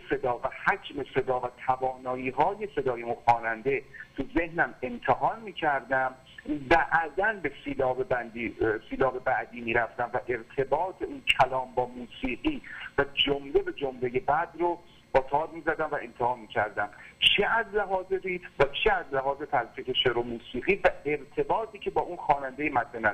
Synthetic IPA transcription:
se̞d̪ɒːvæhæd͡ʒme̞se̞d̪ɒːvæt̪ʰævɒːnɒːiːɦɒːjese̞d̪ɒːjemuxɒːnænd̪e̞t̪ʰuzehnæme̞mt̪ʰeɦɒːnmiːcʰæɾd̪æm | bæʔd̪ænbe̞siːlɒːbe̞bænd̪iːsiːlɒːbe̞bæʔd̪iːmiːɾæft̪æmvæʔe̞ɾt̪ʰe̞bɒːt̪ʰeuːncʰælɒːmbɒːmuːsiːɢiːvæd͡ʒomlebe̞d͡ʒomle̞je̞bæd̪ro | b̥ɒːt̪ʰɒːɾmiːzæd̪æmvæe̞mt̪ʰehɒːnmiːcʲʰæɾd̪æmt͡ʃʰeæzlæɦɒːzeɾiːt̪væt͡ʃʰeæzlæɦɒːzet̪ʰælsiːkeʃeɾomuːsiːɣiːvæe̞ɾt̪ʰe̞bɒːt̪ʰiːcʰe̞bɒːʔunxɒːnænd̪ejemæt̪ːenæ

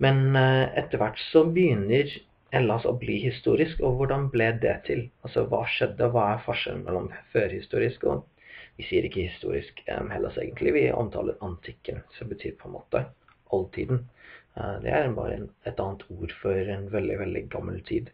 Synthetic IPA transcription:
mɛnɛt̪ːəɾʋæʈːsɔbəjʏnːəɾ | ɛlːɑsɔ̰bliːɦɪst̪uːɾɪskɔʋʊɖɑnblɛd̪ɛt̪ʰɪlɑlsɔʋɑ̰ːʂɛd̪ːəʋɑːæɾfɔʂɛln̩mɛlːɔmføːɾhɪst̪uːɾɪskɔ̰ | ʋɪsiːəɾɪkːəhɪst̪ṵːɾɪskhɛlʔɑsḛːɡənt̪lɪʋɪɔ̰mt̪ʰɑ̰ːləɾɑnt̪ʰɪkːənsɔmbət̪ʰy̰ːɾpʰɔɛnmʔo̰ːt̪ə | ʔɔlt̪ʰiːd̪n | d̪ɛ̰æɾbɑ̰ːɾə̰ɛt̪ɑːnt̪ʰuːɾfɔɾɛnʋɛld̪ɪʋɛld̪ɪɡɑmːəlt̪ʰḭːd̪

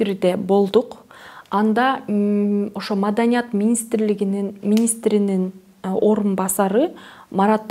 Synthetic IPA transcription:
iɾid̪ebo̞lˠd̪uqɑnd̪ɑ | o̞ʃomɑd̪ɑnʲijɑt̪mʲinʲist̪rliɡininmʲinʲist̪ɾinin | o̞ɾunbɑsɑɾɯmɑɾɑt̪ː

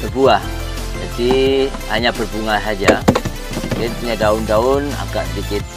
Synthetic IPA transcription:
pərbuah | d͡ʒadi | haɲapərpuŋasad͡ʒa | dɛnpuɲadaʊndaʊna̰kaʔsədikɪt̪̚

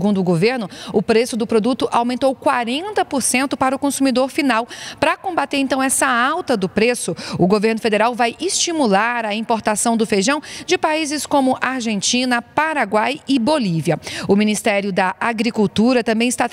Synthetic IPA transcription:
sɡũnd̪ʊʊɡoveɾnʊʊpɾesʊd̪ʊpɾod̪ut̪ʊʔawmẽnt̪owkwaɾẽnt̪ɐpoɾsẽnt̪ʊpaɾɐʊkõsumid̪oɾfinawpɾɐkõbat̪eɾẽnt̪ɐ̃w̃ɛsɐawt̪ɐd̪ʊpɾesʊʊɡoveɾnʊfed̪eɾawvajʔɪst͡ʃimulaɾɐĩpoɾt̪asɐ̃w̃d̪ʊfeʒɐ̃w̃d͡ʒɪpaizɪskõmʊʔaɾʒẽnt͡ʃĩnɐpaɾaɡwajɪboliviɐʊminist̪ɛɾjʊd̪ɐʔaɡɾikuwt̪uɾɐt̪ɐ̃mbẽj̃ɪst̪a

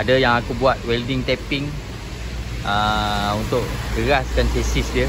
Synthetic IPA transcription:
adəjaŋakubuat̪̚wɛldiŋt̪ɛpɪŋ | əunt̪ʊk̚ɡəɾaskansesisdiə

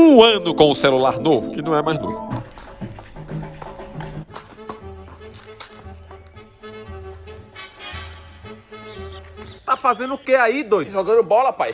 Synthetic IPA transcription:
ũɐ̃nʊkõʊselulaɾnovʊkɪnɐ̃w̃ɛmajzno̰vʊ | t̪afazẽnd̪ʊʊkeaid̪ojʒoɡɐ̃d̪ʊbɔlɐpaj

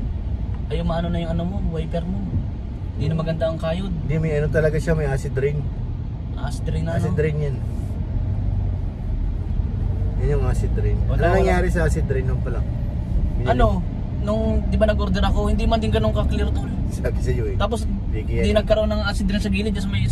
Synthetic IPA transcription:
ʔɐjomɐʔanonɐjʊŋʔɐnomo̞wjpɛɾmo | hɪnd̪inɐmɐɡɐnd̪aːŋkaːjod̪̚nd̪imɐjɐnont̪ɐlɐɡaʃamɐjasɪd̪ɾɪŋ | ʔɐʔasɪd̪ɾɪŋnɐsɪd̪ɾɪŋjan | jɐnoŋaːsɪd̪ɾɪŋɐlɐnɐŋjaːɾɪsɐʔasɪd̪ɾɪnːompɐla | mɪɐno̞ | nʊŋd̪ɪbanɐɡʔoɾd̪ɛɾɐko̞hɪnd̪imɐnd̪ɪŋɡɐnoŋkɐklɪɾt̪olsɐksɐjot̪aːpo̞s | biɡid̪inɐɡ̚kɐɾoonːɐŋasɪd̪ɾɪŋsɐɡiːnɪd͡ʒɐs̬ɐmɐj

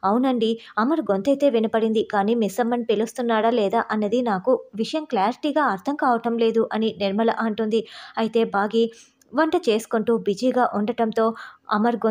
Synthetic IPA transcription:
ɐwunɐɳɖiɐmɐɾɡont̪ɐjt̪e̞ːʋinɐpɐɽind̪ikaːniːmisɐmːɐnpelust̪unːaːɽɐlɛːd̪aːʔɐnːɐd̪inaːkuʋiʂɐjɐmklaːɾiʈiːɡaːɐɾt̪ʰɐŋkaːʋɐʈɐmle̞ːd̪uʔɐninɛɾmɐlɐ̰ʔɐɳʈund̪iɐjit̪e̞ːbaːɡiː | ʋɐɳʈɐt͡ʃe̞ːsu̥kuɳʈuːbid͡ʒiːɡaːʔuɳɖɐʈɐmt̪o̞ːɐ̰mɐɾɡo

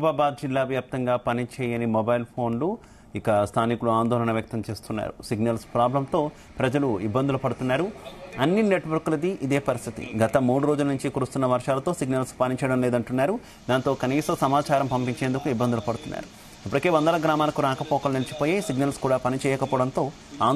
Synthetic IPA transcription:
baːbaːd̪̚d͡ʒilːaːʋjaːp̚t̪ɐŋɡaːpɐnit͡ʃɛːjɐnimɔbɐjlpʰo̞ːnlu | ikɐst̪ʰaːnikuluaːnd̪ɔːlɐnɐʋjɐk̚t̪ɐmt͡ʃe̞ːst̪unːa̰ːɾṵsiɡnɐlspɾaːblɐmt̪o̞ː | pɾɐd͡ʒɐluibːɐnd̪ulupɐɽut̪unːaːɾuɐnːine̞ʈʋɐɾkulɐd̪iʔid̪e̞ːpɐɾist̪ʰit̪ḭɡɐt̪ɐmuːɽuɾo̞ːd͡ʒulɐnuɲt͡ʃikuɾust̪unːɐʋɐɾʂaːlɐt̪o̞ːsiɡnɐlspɐnit͡ʃɛːjɐɽɐmleːd̪ɐɳʈunːaːɾu | d̪aːnt̪o̞ːkɐniːsɐsɐmaːt͡ʃaːɾɐmpɐmpiɲt͡ʃe̞ːnd̪ukuibːɐnd̪ulupɐɽut̪unːa̰ːɾu | ɐpːɐɽike̞ːʋɐnd̪ɐlɐɡɾaːmaːlɐkuɾaːkɐpɔːkɐlnilɐt͡ʃi̥poːjesiɡnɐlskuːɽaːpɐnit͡ʃɛːjɐkɐpɔːɽɐnt̪o̞ː | aː

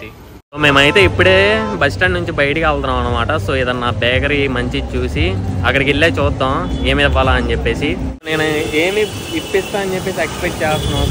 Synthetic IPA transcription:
soːme̞ːmɐjit̪e̞ːipːuɽeːbɐsʈɐnnuɲt͡ʃibɐjʈikʲaːlt̪ɐnaːmɐnːɐmaːʈɐsoːid̪ɐnnaːbɛːkɐɾimɐɲt͡ʃit͡ʃuːsiɐkːɐɽikilːeːt͡ʃuːd̪ːãːmeːmiʋːaːlaːɐnit͡ʃepːe̞ːsineːnueːmi | ipːist̪aːmɐnit͡ʃepːeːs̬iekspeʈ̚t͡ʃɛːst̪ɐna

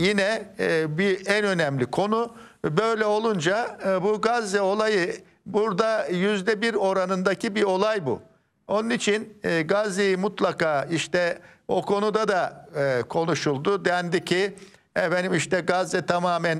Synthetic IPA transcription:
jinɛbiɛnø̞nɛmlʲikʰo̞nu | bø̞jlʲɛo̞lˠund͡ʒabuɡazːɛo̞lˠajɯ | buɾd̪ajyzd̪ɛbiɾo̞ɾanɯnd̪acʰibio̞lˠajbṵ | o̞nunit͡ʃʰinɡazːejimut̪lˠakaːiʃt̪ɛo̞kʰo̞nud̪ad̪akʰo̞nuʃulˠd̪ud̪ɛnd̪icʰi | ɛfenimiʃt̪ɛɡazːɛt̪ʰamaːmæn

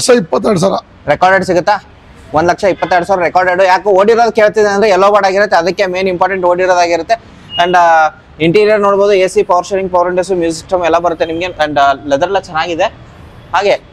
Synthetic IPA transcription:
kʂɐipːɐt̪̬ːɐɽs̬aːɾɐ | ɾɛkaːɾɖeɖsiɡut̪ːaː | ʋond̪lɐkʂɐipːɐt̪ːɐjɽsaːɾɐɾɛkaːɾɖeɖujaːkuoːɽiɾoːd̪ukeːɭt̪id̪eɐnd̪ɾeɛlːoːbaːɽaːɡiɾut̪ːeɐd̪ɐkːemeːnimpaːɾʈeɳʈoːɽiɾoːd̪aːɡiɾut̪ːe̞ | ɐɳɖ | iɳʈiːɾijɐɾno̞ːɽboːd̪ueːsipɐʋɐɾʃɐɾiŋɡ̚pɐʋɐɾeɳʈesumjuːsik̚ʈɐmɛlːɐbɐɾut̪ːe̞nimɐɡeɐɳɖlɛd̪ɐɾɐlɐt͡ʃɛnːaːɡid̪e̞ | ɦaːɡe̞

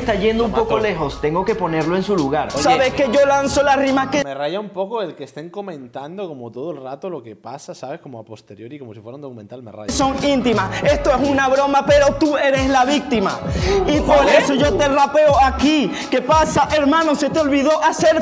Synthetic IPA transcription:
st̪aʝe̞nd̪oumpo̞ko̞le̞xo̞st̪e̞ŋɡo̞ke̞po̞ne̞ɾlo̞e̞nsuluɣaɾsaβeske̞ʝo̞lanso̞lasrimaskemerajaumpokoelkeːst̪eŋko̞mẽnt̪and̪oko̞mot̪oðoelrat̪olo̞kepasasaβeskomoapo̞st̪e̞ɾjo̞ɾikomosifwaund̪okume̞nt̪almḛra̰jso̞ŋint̪imase̞st̪oesunaβɾo̞mape̞ɾo̞t̪ue̞ɾe̞slaβik̚t̪ima̰ipo̞ɾesoʝo̞t̪erape̞oaki | ke̞pasaʔeɾmãnose̞t̪eolβiðo̞ʔase̞ɾ

